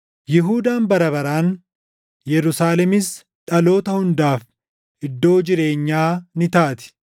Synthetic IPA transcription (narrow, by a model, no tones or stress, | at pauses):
jɪɦuːd̪aːnbɐɾɐβɐɾaːn | jɛɾʊsaːlɛmɪs | ᶑɐlo̞ːt̪ɐhʊnd̪aːf | ʔɪd̪ːo̞ːd͡ʒɪɾe̞ːɲːaːnɪt̪aːt̪ɪ̥